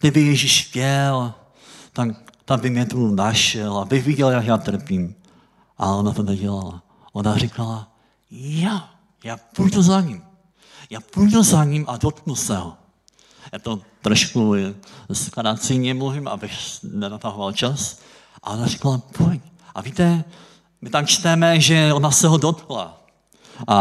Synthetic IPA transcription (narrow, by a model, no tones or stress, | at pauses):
t̪ɪbɪjɛʒiʃjɛl | t̪akt̪abɪmɲɛt̪unaʃɛlabɪxviɟɛljakjaːt̪r̩pim | ʔa̰lɛonat̪onɛɟɛlala̰ | ʔonarikala | ja | jaːpujt̪ozaɲim | jaːpujt̪ozaɲimʔadot̪knulsɛɦo | jaːt̪ot̪ɾo̞ʃku | skaɾat͡sɪɲɛmluvɪma̰bɪxnɛnat̪aɦovalt͡ʃas | ʔa̰ʔonari̥kalapʰoɲ | ʔavit̪ɛ | mɪt̪amt͡ʃt̪ɛmɛʒɛo̞nasɛɦo̞do̞t̪kla̰ | ʔa